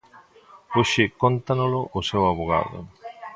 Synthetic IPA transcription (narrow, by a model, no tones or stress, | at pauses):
oʃɪkont̪anolʊʔʊsewaβoɣ̞a̰ðʊ̰